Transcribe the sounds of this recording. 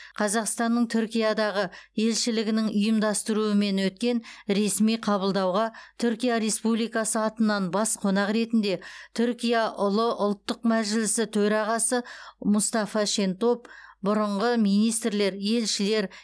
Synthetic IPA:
qʰɑzɑqst̪ɑnːəɴt̪ʰʏɾkʲijɑd̪ɑʁəje̞lʃɪlɪɡʲɪnɪŋʊjəmd̪ɑst̪əɾuəme̞nwɵt̪̚kʲe̞nɾe̞smijqʰɑβəlˠd̪ɑwʁɑt̪ʰʏɾkʲijaɾe̞spublijkɑsəɑt̪ənːɑnbɑsqʰonɑqɾe̞t̪ɪnd̪e̞t̪ʰʏɾkʲijaʔʊlˠəʔʊlˠt̪ːəq̚mæʒɪlɪsɪt̪ʰɵɾɑʁɑsəmʊst̪ɑfɑʃe̞nt̪o̞pbʊɾəɴʁəmijnijst̪ɾle̞ɾje̞lʃɪle̞ɾ

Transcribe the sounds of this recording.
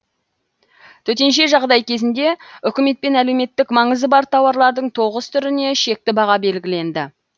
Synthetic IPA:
t̪ʰɵt̪e̞nʃe̞ʒɑʁd̪ɑjkʲʰe̞zɪnd̪e̞ʏkʲɪme̞t̪̚pe̞næle̞wme̞t̪ːɪkmɑɴəzd̪əbɑɾt̪ʰɑwɑɾlˠɑɾd̪əɴt̪ʰo̞ʁəst̪ʰʏɾɪne̞ʃe̞k̚t̪ɪbɑʁɑbe̞lɡʲɪle̞nd̪ɪ

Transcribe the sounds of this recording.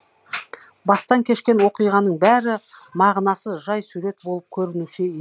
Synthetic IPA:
bɑst̪ɑŋkʲʰe̞ʃkʲe̞nwo̞qijʁɑnəɴbæɾɪmɑʁənɑsəʒɑjsuɾe̞t̪̚bo̞lˠəp̚kʲʰɵɾɪnuʃɪe

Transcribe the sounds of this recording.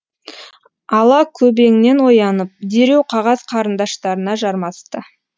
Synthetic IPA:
ɑlˠɑkʲʰɵbe̞ŋne̞nwo̞jɑnəp̚d̪e̞ɾe̞wqʰɑʁɑz̥qʰɑɾənd̪ɑʃt̪ɑɾənɑʒɑɾmɑst̪ə

